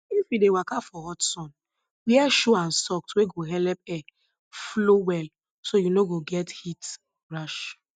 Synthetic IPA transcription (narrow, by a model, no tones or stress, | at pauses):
ifjidewakafɔhɔtsɔ̃n | wɛʃuãnsɔk̚tweɡoɦɛlɛp̚ɛ | flowɛl | sojunoɡoɡɛthit | ɹaʃ